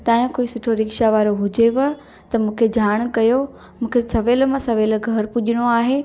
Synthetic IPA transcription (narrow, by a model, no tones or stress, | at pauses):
t̪ãːjʊ̃koːisʊʈʰoɾɪkʃaʋaːɾoɦʊd͡ʑeʋɐ | t̪ɐmũːkʰed͡ʑaːɽ̃kɐjo | mũːkʰesɐʋeːlmãsɐʋeːlɡʱɐɾpʊʄɪɽ̃oaːɦe